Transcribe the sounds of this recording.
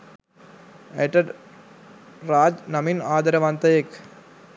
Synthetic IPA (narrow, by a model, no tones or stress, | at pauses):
eʈɐɖ | ɾaːd͡ʒnɐminaːd̪ɐɾɐʋaːnt̪ɐjek